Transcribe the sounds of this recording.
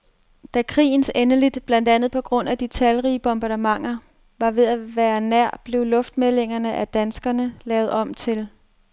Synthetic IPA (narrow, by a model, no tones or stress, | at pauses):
d̥ækʰʁḭːn̩senəlid̥b̥læn̰d̥ænð̩ˠpʰɒ̽ɡ̥ʁɔ̽n̰æd̥it͡sʰælʁiːəb̥ɔ̽mb̥ɑ̈demɑ̈ŋ̰ɐ | ʋɑ̈ʋe̝ðˠæʋæːɐnæɐ̰b̥le̝ʊlɔ̽fd̥mele̝ŋɐnəʔæd̥ænsɡ̥ɐnəlɛːʊð̞̩ˠɒ̽m̰t͡sʰe̝l